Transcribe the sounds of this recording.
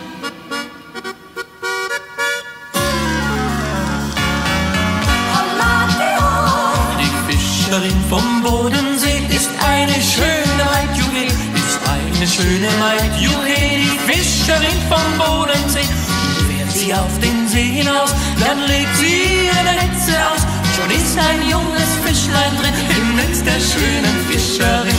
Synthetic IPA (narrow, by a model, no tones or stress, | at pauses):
a | d̥iːfɪʃəʁɪŋfɔmboːdənzeːʔɪstʔaɪnəʃøːnnnhaɪtjuːheː | ɪstʔa̰ɪnəʃøːnəɦaɪtjuːheːdiːfɪʃəʁɪnfɔmboːdənzeː | feːtz̥iːaʊfd̥eːmzeːhɪnaʊs | d̥anleːk̚tz̥i | dɛɛt͡səaʊs | nz̥onɪstaɪnjʊŋəsfɪʃlaɪndʁɪnfɪnzɪt͡std̥eːɐʃøːnəfɪʃəʁɪ